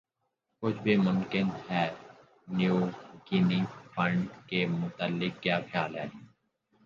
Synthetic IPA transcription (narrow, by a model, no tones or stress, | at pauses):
kʊt͡ʃʰbʱimʊmkɪnɦɛː | njuːkiːnĩfə̃ɳɖkemʊt̪əlːɪkːjaːkʰjaːlɦɛ̰ː